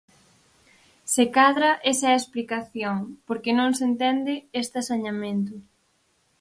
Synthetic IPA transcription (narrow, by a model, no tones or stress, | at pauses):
sekaðɾɐʔesɐesplikaθjoŋpoɾkenõŋsent̪ɛnd̪ɪest̪asaɲamẽnt̪ʊ